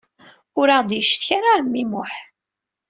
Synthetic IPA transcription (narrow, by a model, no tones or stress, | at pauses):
ʊɾaʁd̪jəʃt̪çaɾamːimʊħ